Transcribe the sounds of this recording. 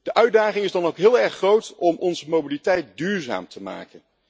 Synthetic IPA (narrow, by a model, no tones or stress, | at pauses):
d̥əʔœɥdaːχɪŋɪzdɑnowkɦɪːlˠɛɹχrowtɔmɔnzəmowbilitɛjt̚dyːɹza̰ːmtʰəma̰ːkən